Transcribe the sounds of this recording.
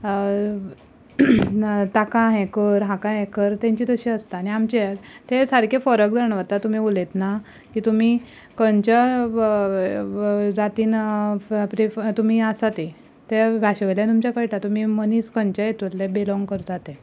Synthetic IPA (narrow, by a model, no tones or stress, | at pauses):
t̪akãɦẽkəɾɦãkãɦẽkəɾt̪ẽɲt͡ɕid̪əɕiəst̪aniamt͡ɕet̪esəɾkʰefəɾəkd͡zəɳʋət̪at̪um̤iulet̪na | kiːt̪um̤iː | kənt͡ɕa | d͡zat̪iːn | pɾift̪um̤iːasat̪e | t̪eʋʱaɕʋeljãt̪umt͡ɕakəjʈat̪um̤iːməniːskəɲt͡ɕəjet̪ullebelɔŋɡkəɾut̪at̪ẽ